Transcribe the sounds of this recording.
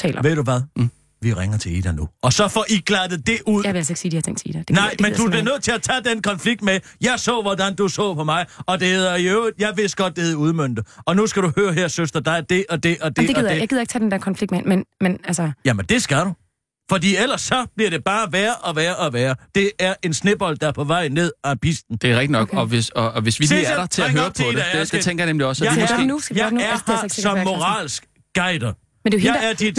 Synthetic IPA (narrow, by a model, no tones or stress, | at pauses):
t͡sʰɛ̰ːlɐʋe̝ð̰ˠd̥uʋæðˠ | ʋiʁeŋɐt͡sʰe̝ḭːd̥ænuɒ̽sɒ̽fɒʔiɡ̥læd̥ð̩ˠd̥e̝ʔuð̰ˠaʋeælseɡ̥siːd̥ihɑt͡sʰḛŋ̰̥t͡sʰḭːd̥æd̥enɑɪ̰med̥ub̥liɐnøð̰ˠt͡sʰe̝læt͡sʰɛd̥enkʰɒ̽nfliɡ̥̚d̥mejɑɪsɔ̰ːʋɒdænd̥usɔ̰̽ːpʰɒ̽mɑ̈ɪɒ̽d̥e̝he̝ðˠɐjøʊi̥jɑ̈ɪʋe̝sd̥ɡ̥ɒ̽d̥̚d̥eheðˠuð̞ˠmøn̰d̥̩ɒ̽nusɡ̥æɾuhøːɐɦeɐ̰søsd̥ɐd̥ɑ̈ɪd̥e̝ʔɒ̽d̥e̝ʔɒ̽d̥eeɡið̰ˠjaɡiðˠeɡ̥̚t͡sʰːd̥end̥ɛɐkʰɒnfliɡ̚dmɛnmenmenælsɐjæmend̥e̝sɡ̥æɾu | fɒ̽dḭːel̰ɐsːɒ̽b̥liɐɾe̝b̥ɑ̈ːʋæːɐʔɒ̽ʋæːɐʔɒ̽ʋæːɐd̥e̝æɐʔe̝nsne̝b̥ɒ̽l̰d̥ɑæɐpʰɒ̽ʋɑ̈ɪ̰ne̝ð̞̰ˠɒb̥isd̥n̩d̥e̝ʁɛɡ̥̚d̥inɒɡ̥ɒ̽ʋesɒʋe̝sʋileiɐɾɐt͡sʰe̝eøːɐ̥d̥et͡sʰeŋɡɐjɐnemliɒ̽sjɑiɔsɡḛjɑæɐsɒ̽mmːo̝ʁɑ̰̈ːlsɡ̥ | ɡ̥ɑ̈ɪ̰d̥ɐ | mend̥ejɑ̈ɪæɐd̥id̥